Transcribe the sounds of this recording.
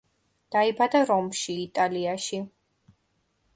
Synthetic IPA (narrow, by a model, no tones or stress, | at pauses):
d̪̥aibad̪aɾɔmʃiːt̪ʼaliaʃi